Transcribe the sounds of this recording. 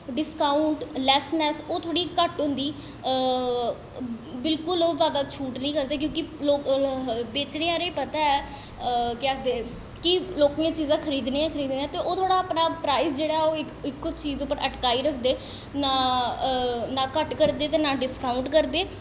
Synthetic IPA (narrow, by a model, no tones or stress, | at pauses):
ɖɪskaːʊɳʈlɛːsnɛːsoːt̪ʰoːɽiːkəʈɦʊ̃nd̪iː | bɪlkʊloːzjaːd̪aːt͡ʃʰuːʈnĩːkəɾd̪eːk̬jõːkiloːkbeːt͡ʃneːãːɾeːpət̪aːɛː | kɪəkʰd̪eː | kiloːkːãt͡ʃiːzãːkʰəɾiːd̪nẽːɛ̃ːkʰəɾiːd̪nẽːãːt̪eːʔoːt̪ʰoːɽaːpnãːpɾaːisd͡ʒeːɽaːɦɛoːɪkɪkːʊt͡ʃiːzõpəɾʔəʈkaːiːɾəkʰd̪eː | nãː | nãːkəʈkəɾd̪eːt̪eːnãːɖɪskaːʊɳʈkəɾd̪eː